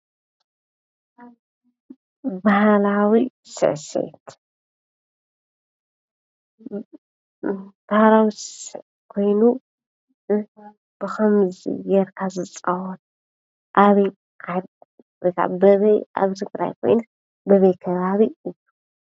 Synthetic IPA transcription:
bahlawi | sɨ̰ʕsḛt̪ | b̥ahlawissɨʕ | kʰo̞jnu | b̥ɨxɐmzḭjɛɾkʰazɨt͡sʼawɔt̪ | ʔaβij | kʰad | ikʰa̰bɐβja̰βt̪ʰɨɡɾa̰jkʰo̞̰jnɨ | bɐβɐjkʰɐβaβiɨjːu

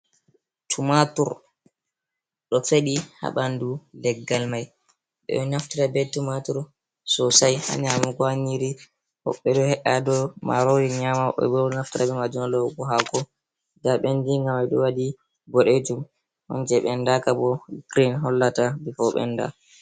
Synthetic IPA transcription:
tʰumatuɾ | ɗɔfeɗiha̰ɓandulɛɡːalmaj | ɓɛ̰naftiɾabɛtumatuɾ | sɔsajha̰ɲamaɡwaɲiɾi | hɔ̰ɓːɛdɔhɛʔadɔmaɾɔdiɲamaʔɔ̰bɔnaftiɾabɛmad͡ʒunalɔɡɔɦaɡɔ | daɓendiŋɡamajɗɔwadi | ɡɔɗed͡ʒum | hɔ̰nd͡ʒɛɓɛndakabɔɡ̥ɾinɦɔlːatabifɔɓɛ̰nda̰

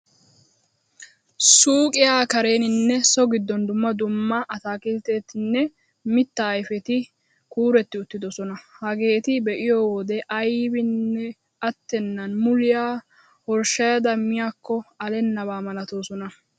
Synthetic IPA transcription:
suːkʼɪjaːkɐɾe̞ːnɪnːɛsɔɡɪd̪ːɔnd̪ʊmːɐd̪ʊmːɐʔɐt̪aːkʼɪlt̪e̞ːt̪ɪnːɛ | mɪt̪ːɐːjfɛt̪ɪ | kuːɾɛt̪ːɪʊt̪ːɪd̪ɔsɔnɐhɐɡe̞ːt̪ɪbɛʔɪjɔwoːd̪ɛʔɐjbɪnːɛ | ɐt̪ːɛnːɐnmʊlɪjaː | hɔɾʃɐjɐd̪ɐmɪjaːkːɔɐlɛnːɐβaːmɐlɐt̪o̞ːsɔnɐ

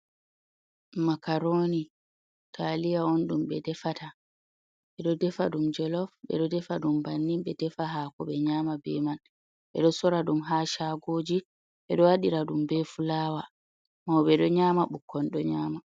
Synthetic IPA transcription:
makaɾoːni | tʰalijaɔnɗumɓɛdɛfata | ɓɛɗɔdɛfaɗumd͡ʒɛlɔfɓɛ̰ɗɔdɛfaɗumbanːimɓɛdɛfaɦakɔɓɛɲamabɛman | ɓɛ̰ɗɔsɔɾaɗumɦaːʃaɡoːd͡ʒi | ɓɛɗɔwaɗiɾaɗumbɛfulaːwa | mawɓɛɗɔɲamaɓukʰːɔnɗɔɲaːma

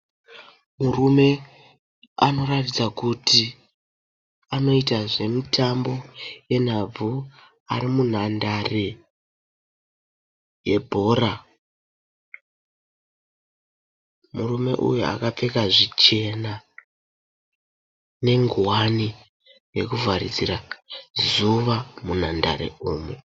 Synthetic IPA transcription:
murume̞ | a̰no̞ratid͡zakuti | ano̞itaʐe̞mutʰambo̞je̞n̤ab͡vu | a̰ɾimun̤andare | je̞bʱo̞ːra | murume̞ʔṵjua̰kap͡fe̞kaʐit͡ʃe̞na | ne̞ŋɡwani | je̞kuvʱaɾid͡ziɾazuʋamun̤anda̰ɾe̞̰uːme

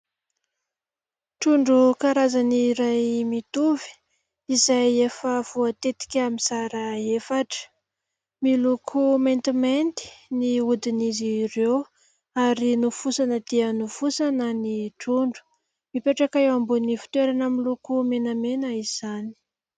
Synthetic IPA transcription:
ʈ͡ʂuɳɖ͡ʐukaɾazaniɾajmit̪uvi̥ | izajefəv̥uat̪et̪i̥kʲaminsaɾəefaʈ͡ʂə̥ | milukʰument̪iment̪i̥niud̪inizirew | aɾinufusanəd̪̥iənufusanəniʈ͡ʂuɳɖ͡ʐu̥ | mipeʈ͡ʂakaewambunifi̥t̪weɾanamilukumenəmenəiz̥ani̥

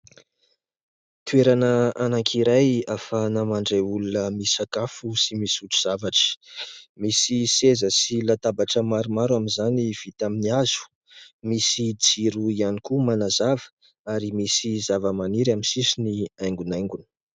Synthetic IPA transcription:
t̪ueɾanəanaŋkʰiɾajafanamaɳɖ͡ʐeulunəmisakafusimisut͡su̥z̥avaʈ͡ʂə̥misisezəsilat̪abaʈ͡ʂəmaɾumaɾwaminzaniv̥it̪aminiaz̥u̥ | misid͡ziɾuianikumanazavə̥ | aɾimisizavəmaniɾaminsisiniajŋɡunajŋɡunə̥

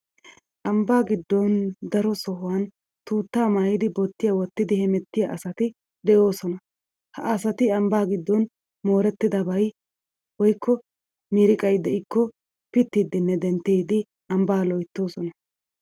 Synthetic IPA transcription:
ʔɐmbaːɡɪd̪ːɔnd̪ɐɾɔsɔɦʊwɐn | t̪uːt̪ːaːmaːjɪd̪ɪbɔt̪ːɪjɐwɔt̪ːɪd̪ɪhɛmɛt̪ːɪjɐʔɐsɐt̪ɪ | d̪ɛjo̞ːsɔnɐ | hɐʔɐsɐt̪ɪɐmbaːɡɪd̪ːɔn | mo̞ːɾɛt̪ːɪd̪ɐbɐj | wɔjkʰːɔ | miːɾɪkʼɐjd̪ɛʔɪkːɔ | pɪt̪ːiːd̪ɪnːɛd̪ɛnt̪ːeːd̪ɪ | ɐmbaːlɔjt̪ːo̞ːsɔnɐ

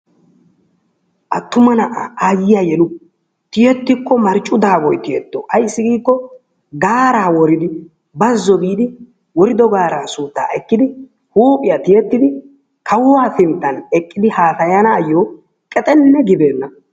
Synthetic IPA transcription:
ʔɐt̪ːʊmɐnɐʔaaːjɪjajɛlʊ | t̪ɪjɛt̪ːɪkːɔmɐɾt͡ʃʼʊd̪aːbɔjt̪ɪjɛt̪ːoːʔɐjɪsːɪɡiːkːɔ | ɡaːɾaːwɔɾɪd̪ɪ | bɐzːɔɡiːd̪ɪ | wɔɾɪd̪ɔɡaːɾaːsuːt̪ːa̰ːʔɛkːɪd̪ɪ | huːpʼɪjɐt̪ɪjɛt̪ːɪd̪ɪ | kʰɐwwaːsɪnt̪ːɐnɛkʼːɪd̪ɪhaːsɐjanaːjːoː | kʼɛt̪ʼɛnːɛɡɪbe̞ːnːɐ

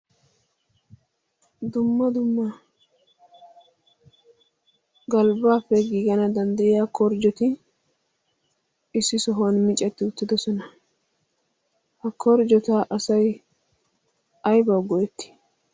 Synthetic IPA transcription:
d̪ʊmːɐd̪ʊmːɐ | ɡɐlbaːfːɛɡiːɡɐnɐd̪ɐnd̪ɐjɪjaːkɔɾd͡ʒɔt̪ɪ | ɪsːɪsɔɦɐnmɪt͡ʃʼːɐt̪ːɪʊt̪ːɪd̪ɔsɔnɐ | hɐkʰɔɾd͡ʒɔt̪aʔɐsɐj | ɐjbɐwɡɔjɛt̪ːɪ̥

